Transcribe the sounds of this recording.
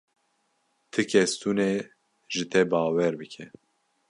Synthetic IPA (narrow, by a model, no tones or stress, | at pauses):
t̪ʰɨkʰɛst̪une | ʒɨt̪ʰɛbɑːwɛɾbɨkʰɛ